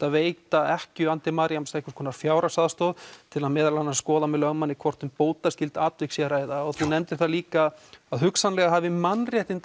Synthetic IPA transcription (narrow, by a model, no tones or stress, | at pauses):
aðveːjt̪aɛhcʏant̪ɪmaɾjamsehkḁkʰɔːnafjaːwɾasaðst̪oːðt̪ʰɪlaðmɛːðalanːaskɔːðamɛðlœɣmanːɪkʰvɔr̥t̪ʏmpoːwt̪ascɪlt̪aːt̪vɪksɛɾaːjðaɔɣθunɛmt̪ɪ̥ɾ̥θaliːkaaðɦʏksanlɛɣaɦavɪmanːrjɛht̪ɪn